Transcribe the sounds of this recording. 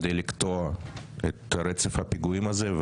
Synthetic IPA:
d̪ejlikt̪oet̪ɾet͡sefhapiɡuimazev

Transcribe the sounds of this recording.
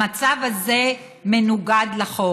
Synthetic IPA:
at͡savaze | menuɡad̪laχo

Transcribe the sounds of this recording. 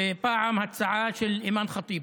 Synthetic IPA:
paːʕamhat̪saʕaːʃɪlʔimaːnxɑt̪ˤiːb

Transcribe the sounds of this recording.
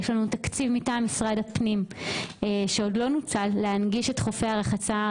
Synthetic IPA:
eʃlanutakt͡sivmitamisʁadhapnimeʃeodlo̞nut͡salːeanɡiʃe̞tχo̞feaʁeχat͡sa

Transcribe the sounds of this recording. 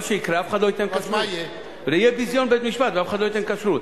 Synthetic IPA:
ʃejikɾeafχad̪ojt̪enkaʃɾu | ɾejebizjonbet̪miʃpat̪veafχad̪lojt̪enkaʃɾut̪

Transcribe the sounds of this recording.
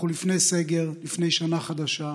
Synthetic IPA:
ulifne̞jse̞ɡeʁlifne̞jʃanaχad̪aʃa

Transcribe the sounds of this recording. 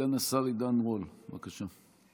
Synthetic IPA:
anasaʁid̪anʁolvakaʃa

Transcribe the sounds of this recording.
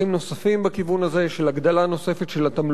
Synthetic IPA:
imno̞safimbekivunaze̞ʃelaɡd̪alano̞se̞fet̪ʃelat̪am

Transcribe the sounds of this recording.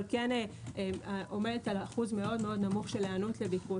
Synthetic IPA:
lkeneaʔomedetalaχuzme̞o̞d̪me̞o̞d̪namuχʃeleanut̪le̞biku

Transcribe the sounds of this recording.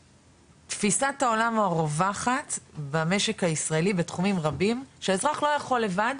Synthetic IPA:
tfisataolamaʁovaχatbame̞ʃe̞khaisʁaelibetχumimʁabimʃeːzʁaχlo̞jaχo̞lːe̞vad

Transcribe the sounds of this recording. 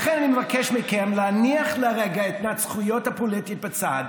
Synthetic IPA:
aχenanimevakeʃmikemleaniaχlaʁeɡaet̪nat͡sχujothapolit̪it̚bet͡sad

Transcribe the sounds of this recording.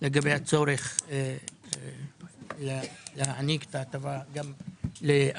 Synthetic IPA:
leɡabejhat͡so̞ɾeχ | llehaanike̥t̪aːt̪avaɡamle

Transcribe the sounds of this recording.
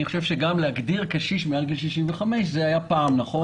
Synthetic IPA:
niχoʃe̞vʃeɡamleaɡd̪iʁkaʃiʃmealɡilʃiʃimveχame̞ʃ̬zeajapaːmnaχo̞

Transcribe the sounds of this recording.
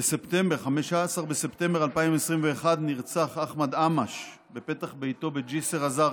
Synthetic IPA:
bese̞pt̪e̞mbeʁχameʃasaʁbese̞pt̪e̞mbealpaimesʁimveːχad̪niʁt͡saχaχmad̪amaʃ | bepe̞taχbejt̪o̞bed͡ʒiseʁaza

